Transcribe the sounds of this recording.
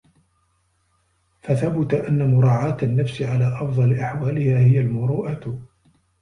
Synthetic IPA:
faθabʊt̪aʔanːamʊɾˤɑːʕaːt̪anːafsɪʕalaːʔɑfd̪ˤɑlʔaħwaːlɪhaːhɪjalmʊɾuːʔa

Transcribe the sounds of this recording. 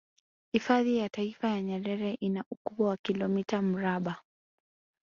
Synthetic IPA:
hifaðijataifajaɲɛɾɛɾɛʔinaʔukuɓwawakilɔmitam̩ɾaɓa

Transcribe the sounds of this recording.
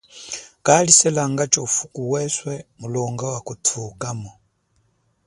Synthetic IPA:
kalisɛlaŋɡat͡ʃɔfukuwɛswɛmulɔŋɡawakutʰukamɔ

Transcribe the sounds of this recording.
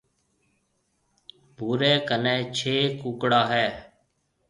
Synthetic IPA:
bʱuːɾeːkənɛ̃ːt͡ʃʰeːkuːkɽaːɦɛː

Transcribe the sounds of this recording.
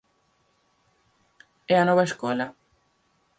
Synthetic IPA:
ɛanoβaeskola

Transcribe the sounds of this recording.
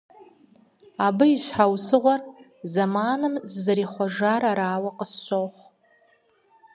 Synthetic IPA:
abɨiʃħawsɨʁʷar | zamanɨmzːaɾiχʷaʐaɾaɾaːwaqʼəsʃʷowχʷ

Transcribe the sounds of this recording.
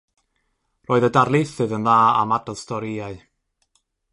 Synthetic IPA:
roːɨðədarlˠɪθɨðənðaːa̰madɔðstʰɔɾiaɨ

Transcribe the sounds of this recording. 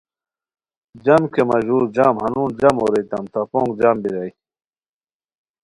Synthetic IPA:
d͡ʑɐmkemɐʑuːɾd͡ʑaːmhɐnuːnd͡ʑɐmoːɾejt̪ɐmt̪apõːŋɡd͡ʑambiɾɐj

